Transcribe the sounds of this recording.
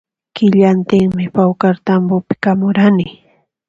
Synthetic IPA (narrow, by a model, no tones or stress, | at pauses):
kɪʎant̪ɪŋmɪpawkaɾt̪ambʊpɪ̥kamʊɾanɪ